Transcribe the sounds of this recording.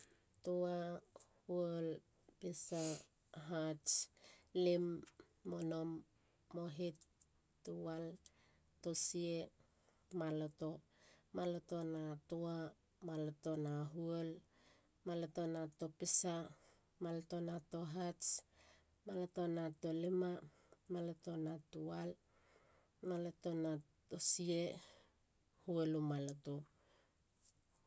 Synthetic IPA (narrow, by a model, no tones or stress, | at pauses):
toahuol | pesa | ɦat͡ʃlimː | onomː | oɦetː | uwal | tosie | maloto | malotonatoa | malotonaɦuol | malotonatopisa | malotonatoɦat͡ʃ | malotonatolima | malotonatual | malotona | tosie | huolumaloto